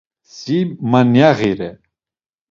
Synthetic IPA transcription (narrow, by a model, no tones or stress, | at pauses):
simanjaɣiɾɛ